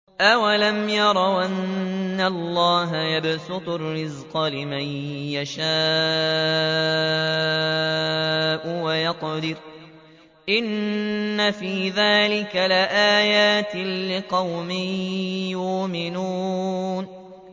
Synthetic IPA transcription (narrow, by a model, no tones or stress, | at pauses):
ʔawalamjɑɾˤɑwʔanːalːɑːɦajabsʊt̪ˤʊɾrːɪzqɑlɪmajjaʃaː | ʔʊwajɑqd̪ɪɾ | ʔɪnːafiːðaːlɪkalɪʔaːjaːt̪ɪːɪqɑwmɪjʊmɪnuːn